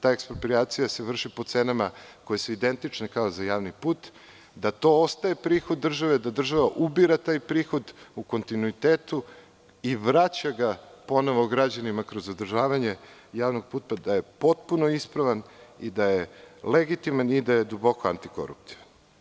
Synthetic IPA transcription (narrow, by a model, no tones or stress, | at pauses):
t̪aːekspɾopɾiaːt̪sijase̞ʋr̩ʃipo̞t̪senamako̞je̞suid̪e̞nt̪it͡ʃnekao̞zajaːʋnipuːt̪ | d̪at̪o̞ost̪ajepɾiːxod̪ːr̩ʒaʋe̞d̪ad̪r̩ʒaʋaʔubiɾat̪aːjpɾiːxo̞d̪uko̞nt̪inuit̪eːt̪u | iʋɾat͡ɕaɡapo̞noʋoɡɾad͡ʑanimakɾo̞zod̪r̩ʒaːʋaɲe̞jaːʋnoɡ̚puːt̪ad̪aje̞po̞t̪puno̞ispɾaʋanid̪ajeleɡit̪imanid̪ajed̪ubo̞koant̪i̥ko̞̰ɾṵpt̪i̥ʋan